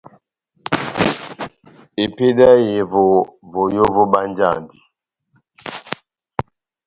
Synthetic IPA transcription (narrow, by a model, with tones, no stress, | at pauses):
e˨pe˦da˦je˨vo˨vo˨jo˦vo˦ba˦n˦d͡ʒa̰˦˨ndi˨